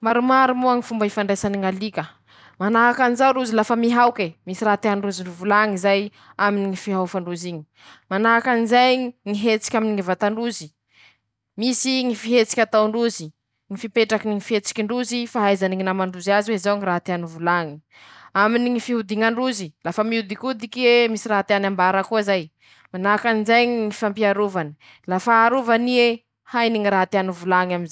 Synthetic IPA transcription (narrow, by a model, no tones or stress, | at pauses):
maɾumaɾumuaŋifumbaifaɳɖ͡ʐesaniŋalikʲə | manaɦakanizawɾuzilafəmiɦawkemisiraɦat̪eɦanɳɖ͡ʐuziɳɖ͡ʐuvulaŋizaj | aminiŋifiɦawfaɳɖ͡ʐuziɲi̥ | manaɦakanizajŋiɦet͡si̥kʲaminiŋivat̪aɳɖ͡ʐuzi | misiŋifiɦet͡si̥kʲat̪aɳɖ͡ʐuzi | ŋifipeʈ͡ʂakiniŋifiet͡si̥kʲiɳɖ͡ʐuzifaɦajzaniŋinamaɳɖ͡ʐuzaziweizawŋiɾaɦat̪eanuvulaŋi | aminiŋifiɦud̪iŋaɳɖ͡ʐuzilafamiud̪ikud̪ikiemisiɾaɦat̪eanambaɾakuaizaj | manakanizajŋiŋifampiaɾuvanə̥ | lafaːɾuvanie | hajniŋiɾaɦat̪eanuvulaŋaminza